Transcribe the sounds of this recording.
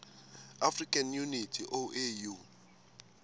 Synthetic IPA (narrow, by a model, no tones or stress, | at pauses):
afrikʼanjunitʰiʔoʔeju